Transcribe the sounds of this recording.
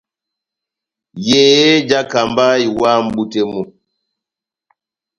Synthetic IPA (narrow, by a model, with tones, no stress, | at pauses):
je˨˦je˦d͡ʒa˦ka˨mba˦i˨wa˦m̩˦ɓu˦te˦mu˨